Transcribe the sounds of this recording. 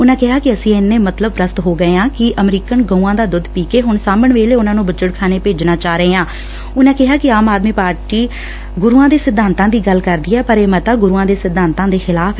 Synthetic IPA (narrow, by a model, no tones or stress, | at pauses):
ʊnãːkɪɦaːkɪəsĩːɪnːeːmət̪ləbɾəst̪ɦoːɡəeːãːkɪʔəmɾiːkənɡəːuːãːd̪aːd̪ʊd̪piːkeːɦʊɳsaːməɳʋeːleːʊnãːnũːbət͡ʃəʈkʰaːneːpeːd͡ʒnaːt͡ʃaːɾəɦeːãː | ʊnãːkɪɦaːkɪaːmaːd̪miːpaːɾʈiː | ɡʊɾuːãːd̪eːsɪd̪ʱːaːnt̪ãːd̪iːɡəlkəɾd̪iːɛːpəɾeːmət̪aːɡʊɾuːãːd̪eːsɪd̪ʱːãːnt̪ãːd̪eːxʰɪlaːpʰː